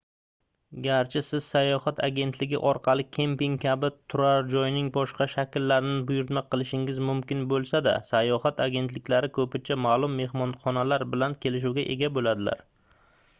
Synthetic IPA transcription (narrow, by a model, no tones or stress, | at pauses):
ɡʲaɾt͡ʃʰɪsɪz̥sajɒhat̪ʰaɡʲe̞nt̪lɪɡʲɪ̰ʔɒɾqʰɑlˠɪkʲʰempɪŋkʲabɪt̪ʰʊɾaɾd͡ʒɒjɪnɪŋbɒʃqɑʃakʲɪlːaɾɪnɪbʊjʊɾɪt̪maqʰɨlˠɪʃɪŋɪzmʊmkʲɪnbolˠsad̪a̰sajɒhat̪ʰaɡʲe̞nt̪lɪkʲlaɾɪkʰɵpɪt͡ʃʰamaːlˠʊmːe̞hmɒnχɒnalaɾbɪlankʲʰe̞lɪʃ̬uwɡʲaʔe̞̰ɡʲabolad̪ɪla̰ɾ